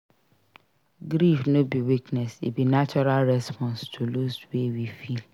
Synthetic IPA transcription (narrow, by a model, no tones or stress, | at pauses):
ɡɾifnobiwiknɛsibinat͡ʃɔɾalɾɛspʰɔ̃nstʰuloswewifil